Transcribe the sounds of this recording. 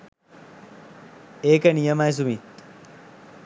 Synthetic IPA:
eːkənijəmajs̬umit̪

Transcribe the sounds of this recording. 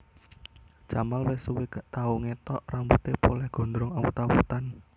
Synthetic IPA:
d͡ʒ̥amalwɪsuwekt̪auŋet̪ɔʔrambut̪epolɛhɡ̥ɔ̤nd̪ɾɔŋawṵt̪awṵt̪an

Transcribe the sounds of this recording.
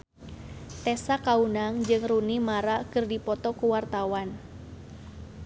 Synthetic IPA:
t̪ɛsakaunaŋd͡ʒɨŋrunimaɾakɨrdipɔt̪ɔkuwart̪awan

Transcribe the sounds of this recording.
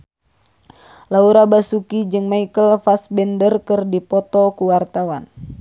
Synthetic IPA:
lauɾabasukid͡ʒɨŋmaikəlfasbɛndərkɨrdipɔt̪ɔkuwart̪awan

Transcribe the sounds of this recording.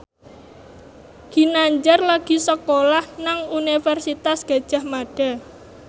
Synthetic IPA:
ɡ̥i̤naɲd͡ʒarlaɡ̥i̤səkolahnaŋunifɛrsit̪asɡ̥a̤d̥ʒ̥a̤hmaɖ̥a̤

